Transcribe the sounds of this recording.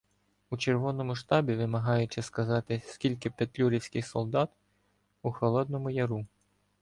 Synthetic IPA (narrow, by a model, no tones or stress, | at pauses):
ut͡ʃerʋɔnɔmʊʃt̪ɑbʲiʋɪmɐɦɑjʊt͡ʃɪskɐzɑt̪ɪsʲkʲilʲkɪpet̪lʲuɾʲiwsʲkʲɪxsɔlˠd̪ɑt̪ | uxɔlˠɔd̪̚nɔmʊjɐɾu